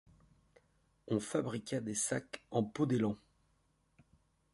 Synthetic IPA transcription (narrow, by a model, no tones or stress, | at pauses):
ɔ̃fabʁikʲad̪esakɑ̃pod̪elɑ̃